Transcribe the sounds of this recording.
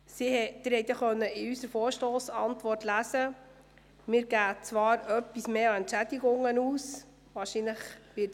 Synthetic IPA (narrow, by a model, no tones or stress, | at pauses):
siɛd̥̪ɪɾhɛɪt̪jɑχœnːəɪysəɾfɔːɾʃtoːsɑ̰ntʋɔrtlæsə | mɪːɾɡæːt͡sʋɑːɾœpːismeːɑɛntt͡ʃæd̥̪iɡʊŋːənuːs | ʋɑːʃinləχʋɪt